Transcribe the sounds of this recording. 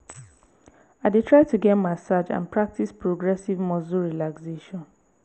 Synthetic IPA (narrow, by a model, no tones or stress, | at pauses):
aɪdetɹaɪtuɡẽnmasad͡ʒã̰npɹak̚tispɹoɡɹɛsivmɔzuɹilakseʃɔ̃n